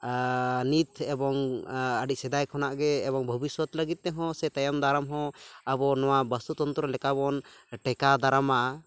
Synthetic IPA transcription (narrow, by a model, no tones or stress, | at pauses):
nit̪ɛbɔŋəɖic̚sɛd̪ajkʰɔnaʔɡɛːbɔŋbʱɔbiswɔt̪ləɡit̪̚ˀt̪ɛɦɔ̃sɛt̪ajamd̪ʱaɾamɦɔ̃abɔnɔwabəst̪ut̪ɔnt̪ɾɔlɛkabɔnʈɛkad̪aɾamaʔa